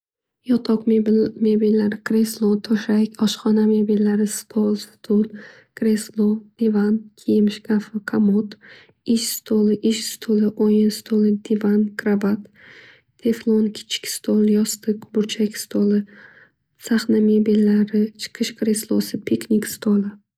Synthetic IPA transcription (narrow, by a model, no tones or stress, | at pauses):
jɒt̪ʰɒqmebilːaɾɪkɾeslˠot̪ʰoʃakʲʰɒʃχɒnamebilːaɾɪst̪ʰolˠst̪ʰolˠ | kɾeslˠod̪̥ivankʲʰijɪmʃɡafɪqʰamot̪ | ɪʃst̪ʰolˠɪʔɪʃst̪ʰolˠɪʔojɪnst̪ʰolˠɪd̪ivankʰɾabat̪ːʰ | eflˠonkʲʰɪ̥t͡ʃʰɪ̥kʲst̪ʰolˠjɒst̪ʰɨqbʊɾt͡ʃʰakʲst̪ʰolɪ | saχnamebilːaɾɪt͡ʃʰɨ̥qʰɨʃkʰɾe̞slˠo̰sɪpʰikʰnʲikʲst̪ʰolˠɪ